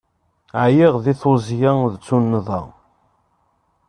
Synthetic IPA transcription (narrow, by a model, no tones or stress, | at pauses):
ʕjiʁðiθozjaðt͡sːunːðˤɑ̰